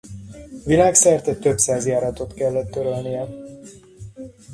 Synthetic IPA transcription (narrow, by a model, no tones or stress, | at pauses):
vilaːksɛrt̪ɛct̪ø̞psaːzjaːɾɒt̪o̞t̪kɛlːɛt̪ːøɾølnijɛ